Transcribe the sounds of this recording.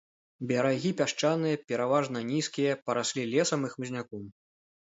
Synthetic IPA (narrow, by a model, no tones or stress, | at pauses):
bʲaɾaɣʲipʲaʂt͡ʂanɨjɐpʲɛɾavaʐnɐnʲiskʲijɐpɐɾasʲlʲilʲɛsɐmɨxmɨzʲnʲakɔm